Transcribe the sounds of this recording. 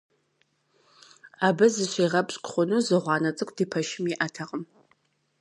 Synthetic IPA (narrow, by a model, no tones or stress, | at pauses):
aːbɨzɨɕʷeːʁɐpɕʼkʷʼχʷʊnuzɨʁʷɑːnɐt͡sʼɨkʷʰʼd̥iːpʰɐʃɪmiʔɐtʰɐqʼəm